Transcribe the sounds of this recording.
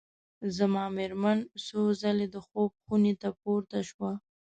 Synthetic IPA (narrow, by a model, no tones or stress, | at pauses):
zamɑmeɾmansozaled̪əxob̚xunet̪apoɾt̪aʃwa